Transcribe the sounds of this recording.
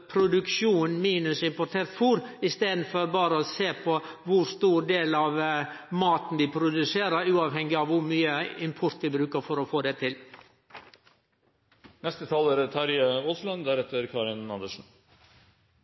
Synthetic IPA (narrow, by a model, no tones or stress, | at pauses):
pʰɾʊd̪ʉkʂuːnmiːnʉsɪmpɔʈ̪ʰeːɾt̪fuːɾɪst̪eːd̪n̩fɔɾbɑːɾəɔseːpʰɔ | ʋʊɾst̪uːɾɖ̪eːlɑʋmɑːt̪n̩ʋɪpʰɾʊd̪ʉseːɾəɾʉːɑːʋhɛŋɡɪɑʋʋʊɾmyːəɪmpʰɔɾt̪ʋɪbɾʉːkəɾfɔɾɔfoːd̪ɛt̪ʰɪl | nɛst̪ət̪ʰɑːləɾət̪ʰɑɾjəoːslɑnd̪æɾɛt̪əɾkʰɑːɾɪnɑnd̪əʂn̩